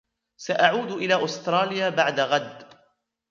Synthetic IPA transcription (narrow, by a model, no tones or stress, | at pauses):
saʔaʕuːd̪ʔɪlaːʔʊst̪ɾˤɑːlɪjaːbaʕd̪aɣad̪ː